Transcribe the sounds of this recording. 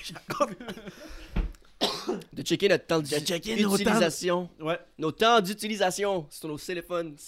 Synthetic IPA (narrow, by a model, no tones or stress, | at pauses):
d̪ət͡ʃɛkʲenɔt̪ːɑ̃d̪t͡ʃɛkʲyntilizasjɔ̃wɛnot̪ɑ̃d̪yt̪ilizasjɔ̃sə̥sɔ̃not̪elefɔn